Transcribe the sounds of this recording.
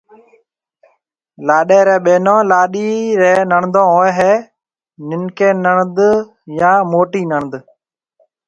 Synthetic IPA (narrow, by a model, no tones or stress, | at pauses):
laːɗeːɾẽːɓeːnõːlaːɗiːɾeːnəɳd̪õːoːeɦeː | nɪnkẽːnəɳd̪ | jãːmoːʈiːnəɳd̪